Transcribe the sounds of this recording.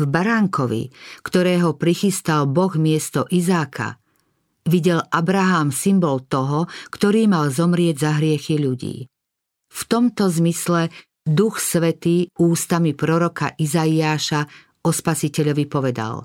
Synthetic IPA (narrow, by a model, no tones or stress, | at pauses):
vbaɾaŋkʰɔʋḭkt̪ɔɾɛːɦɔpɾixist̪albɔɣmɪɛst̪ɔʔizaːkʰa̰ | ʋiɟɛlʔabɾaɦaːmsimbɔlt̪ɔɦɔkt̪ɔɾiːmalzɔmɾɪɛɟzaɦɾɪɛxiʎuɟḭː | ft̪ɔmt̪ɔzmislɛ | d̪uxsʋɛt̪iːuːst̪amipɾɔɾɔka̰ʔizaiaːʃa | ɔspasicɛʎɔʋipɔʋɛd̪a̰l